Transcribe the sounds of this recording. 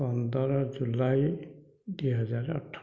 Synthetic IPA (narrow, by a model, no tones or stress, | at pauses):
ɔnd̪ɔɾɔɹzulaj | dujɦɛzaɹɔ̰tʰː